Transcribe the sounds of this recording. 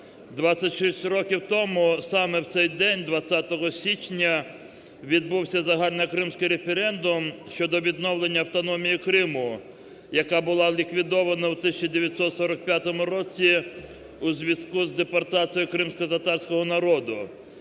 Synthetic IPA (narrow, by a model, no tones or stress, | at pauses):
d̪ʋat͡sʲːɐtʲʃɪsʲtʲrɔkʲiwt̪ɔmʊsɑmɛwt̪sɛjd̪ɛnʲd̪ʋɐt͡sʲːat̪ɔɦɔsʲit͡ʃnʲɐ | ʋʲid̪̚buwsʲɐzɐɦɑlʲnɐkɾɪmsʲkɪjɾefeɾɛnd̪ʊmʃt͡ʃɔd̪ɔʋʲid̪nɔwlˠenʲːɐːwt̪ɔnɔmʲijikɾɪmʊ | jɐkabʊlˠɑlʲikʋʲid̪ɔʋɐnɐwt̪ɪsʲɐt͡ʃɐd̪eʋʲjɐt̪ʲsɔt̪sɔɾɐk̚pʲjat̪ɔmʊɾɔt͡sʲi | uzʲʋʲɐskuzd̪epɐrt̪ɑt͡sʲijʊkɾɪmsʲkɔzɐt̪ɑrsʲkɔɦɔnɐɾɔd̪ʊ